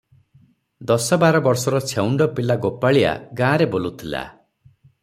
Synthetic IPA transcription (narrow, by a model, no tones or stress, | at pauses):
d̪ɔsɔbaɾɔbɔɾsɔɾɔt͡ʃʰewɳɖɔpilaɡopaɭia̰ɡãːɾebolut̪ʰila̰